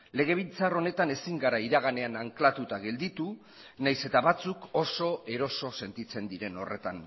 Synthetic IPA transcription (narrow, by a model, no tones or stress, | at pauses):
le̞ɣ̞e̞β̞int͡saro̞ne̞t̪ane̞siŋɡaɾaiɾaɣane̞anaŋklat̪ut̪aɣe̞ld̪it̪u | najse̞t̪aβat͡suko̞so̞e̞ɾo̞so̞se̞nt̪it͡se̞nd̪iɾe̞no̞re̞t̪an